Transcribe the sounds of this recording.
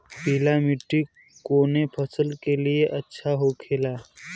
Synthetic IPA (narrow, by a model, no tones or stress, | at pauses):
piːlamiʈːi | koːnepʰəsəlkelijeʔətːʃʰaɦokʰeːlaː